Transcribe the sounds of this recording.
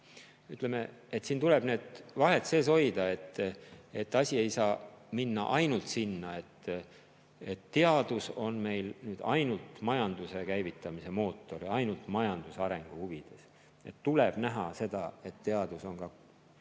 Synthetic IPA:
yt̪ˑle̞me̞et̪siːnt̪uleb̥ne̞ːd̪̥vɑɦe̞t̪se̞ːs̬ojd̪̥ɑe̞t̪ːˑe̞t̪ːˑɑsʲie̞jsɑːminːɑ̰ʔɑjnult̪sinːɑe̞t̪ː | et̪ːe̞ɑd̪̥uso̞nme̞jlnyːd̪̥ɑjnult̪mɑjɑnd̪̥use̞kæjvit̪ːˑɑmise̞mo̞ːt̪ːˑo̞ɾiɑjnult̪mɑjɑnd̪̥useɑɾe̞ŋɡ̥uhuvid̪̥e̞s | e̞̰t̪ːuleb̥næɦɑse̞d̪̥ɑe̞t̪ːe̞ɑd̪̥uso̞nkɑ

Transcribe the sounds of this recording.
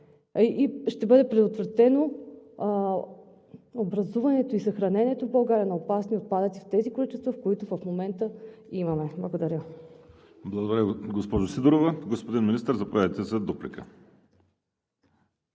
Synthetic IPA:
ʔiʃt̪ɛbɤd̪ɛpɾɛd̪ot̪vɾɐt̪ɛno | obɾɐzuvɐnɛt̪oisɐxɾɐnɛnɛt̪ovbɐlˠɡaɾʲɐnɐopasniot̪̚pad̪ət̪ift̪ɛzikolit͡ʃɛst̪vɐfkoit̪ʊvɐfmomɛnt̪əimɐmɛblˠɐɡod̪ɐɾʲə | blˠɐɡod̪ɐɾʲəɡospɔʒosid̪uɾovɐɡospod̪inminʲist̪əɾzɐpovʲavit̪ɛsɛd̪oplikə

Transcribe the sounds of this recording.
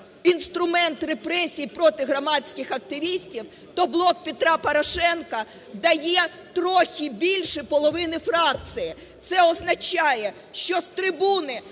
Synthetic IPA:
inst̪ɾʊmɛnt̪repɾɛsʲijipɾɔt̪ɪɦɾɔmɑt͡sʲkʲɪxɐk̚t̪ɪʋʲisʲtʲiw | t̪ɔblˠɔk̚pʲet̪ɾɑpɔɾɔʃɛnkɐ | d̪ɐjɛ | t̪ɾɔxʲibʲilʲʃɪpɔlˠɔʋɪnɪfɾɑk̚t͡s̪ɨjɪ | t̪sɛɔznɐt͡ʃɑjɛ | ʃt͡ʃɔst̪ɾɪbunɪ

